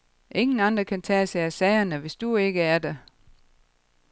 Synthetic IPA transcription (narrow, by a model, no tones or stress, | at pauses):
ʔe̝ŋn̩ɑ̈nd̥ʁɐkʰænt͡sʰɛ̰ːseæsɛɪɐnəʋe̝sd̥ue̝ɡ̥əæɐd̥e